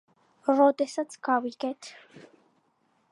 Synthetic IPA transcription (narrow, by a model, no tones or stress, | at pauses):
ɾɔd̪ɛsat̪sʰɡ̥aviɡɛt̪ʰ